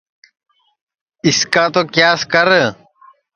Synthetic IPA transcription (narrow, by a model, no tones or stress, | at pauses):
ɪskaːt̪oːkjaːskəɾ